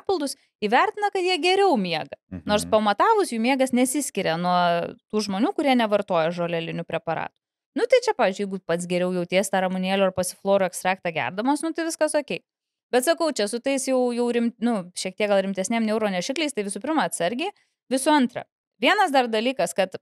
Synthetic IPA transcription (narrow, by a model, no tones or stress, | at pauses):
ɑpʲɪlˠd̪ʊs | iːʋʲɛɾʲt̪ʲɪnɐkɐt̪jiɛɡʲɛɾʲɛʊmʲiɛɡɐnoːrspɐmɐt̪ɑːʋʊsjuːmʲiɛɡɐsnʲɛsʲɪsʲkʲɪɾʲɛnuɔt̪uːʒmoːnʲuːkʊɾʲiɛnʲɛʋɐrt̪oɔjɛʒoːlʲɛlʲɪnʲʊpʲɾʲɛpɐɾɑ̰ːt̪ʊ̥ | nʊt̪ɐɪt͡ʃʲɛpɑːʋʲɪzʲd͡ʒʲʊjɛɪɡʊpɐt̪sɡʲɛɾʲɛʊjɛʊt̪ʲeːst̪ɑːɾɐmʊnʲeːlʲʊɐrpɐsʲɪflˠoːɾʊɛkst̪ɾɑːk̚t̪ɑɡʲæ̰rd̪ɐmoːsnʊt̪ɐɪʋʲɪskɐsoːkʲɛɪ | bʲɛt̪sɐkɐʊt͡ʃʲɛsʊt̪ɐɪsjɛʊjɛʊɾʲɪmʲnʊʃʲiɛk̚t̪ʲiɛkɡɐlˠɾʲɪmʲt̪ʲɛsʲnʲiɛmnʲɛʊɾoːnʲɛʃʲɪklʲɛɪst̪ɐɪʋʲɪsʊpʲɪɾmɐɐt̪sɐɾʲɡʲeː | ʋʲɪsʊɐnt̪rɐ̰ | ʋʲiɛnɐsd̪ɐrd̪ɐlʲiːkɐskɐt̪